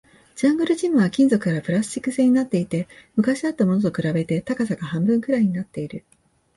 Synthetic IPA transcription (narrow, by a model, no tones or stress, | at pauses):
d͡ʑãŋɡɯ̟ɾɯ̟d͡ʑĩmɯ̟βakʲĩnd͡zo̞kɯ̟kaɾapɯ̟ɾasɨ̥t͡ɕi̥kːɯ̟se̞ːɲ̟inat̪ːe̞it̪e̞mɯ̟kaɕid̪at̪ːamo̞no̞t̪okɯ̟ɾabe̞t̪e̞t̪akasaɡahãmbɯ̟̃ŋkɯ̟ɾaiɲ̟inat̪ːe̞iɾɯ̟